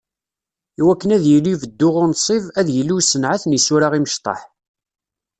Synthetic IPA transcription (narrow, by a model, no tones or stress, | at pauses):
iwækːənæðjəlːivəd̪ːʊʁʊɾnsˤivæðjəlːusənʕaθnəsʊɾaʁiməʃt̪ˤɑ̰ħ